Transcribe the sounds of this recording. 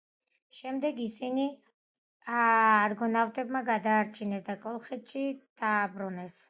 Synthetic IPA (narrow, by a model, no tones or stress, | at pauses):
ʃɛmd̪ɛɡisini | aːɾɡɔnavt̪ʼɛbmaɡad̪aːɾt͡ʃʰinɛsd̪akʼɔlˠχɛt̪ʃid̪̥aːbɾunɛs